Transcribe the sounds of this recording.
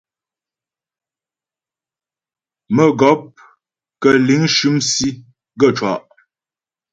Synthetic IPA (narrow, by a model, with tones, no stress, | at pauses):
mə˨ɡɔ˨˦p̚ | kə˨li˨˦ŋʃʉ˦msi˦ | ɡə˦˨t͡ʃwa̰˨ʔ